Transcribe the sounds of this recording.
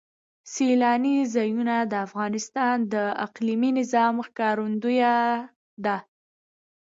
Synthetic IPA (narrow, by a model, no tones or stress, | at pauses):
selɑnizɑjunad̪əafɣɑnɪst̪ɑnd̪əaqliminɪzɑmxkɑɾund̪uja | d̪a